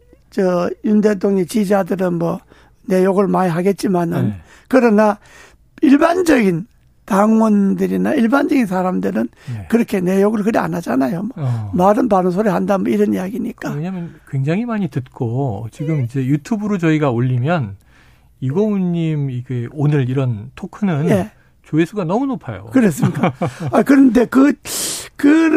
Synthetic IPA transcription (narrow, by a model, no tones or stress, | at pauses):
t͡ɕʌjundetʰoŋɲit͡ɕid͡ʑadɯɾɯnmwʌ | nejoɡɯɭmaɲiɦaɡe̞t̚t͡ɕ͈imanɯn | kɯɾʌna | iɭband͡ʑʌɡin | taŋwʌndɯɾinaiɭband͡ʑʌɡinsʰaɾamdɯɾɯn | kɯɾʌkʰe̞ne̞joɡɯɭkɯɾea̰nad͡ʑanajomʌmaɾɯnpanʌnsʰoɾɯɭhandamʌiɾʌnijaɡiɲik͈aeɲamjʌnkweŋd͡ʑaŋɦimaɲitɯt̚k͈ot͡ɕiɡɯmid͡ʑe̞jutʰubɯɾot͡ɕʌiɡaoʎːimjʌn | iɡouɲːimiɡʰeonɯɾiɾʌntʰokʰɯnɯnje̞ | t͡ɕoesʰuɡanʌmunopʰajo̰kɯɾes̬͈ɯmik͈aakɯɾʌnde̞kɯ | kɯ